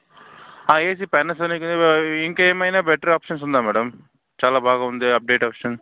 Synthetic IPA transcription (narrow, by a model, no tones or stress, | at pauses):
aːeːs̬ipɛnːɐsɐneknd̪eiŋkɐeːmɐjnaːbɛʈːɐɾaːpʂɐns̬und̪aːmɛːɽɐm | t͡ʃaːlaːbʱaːɡaːund̪iɐp̚ɖeːʈaːpʂɐns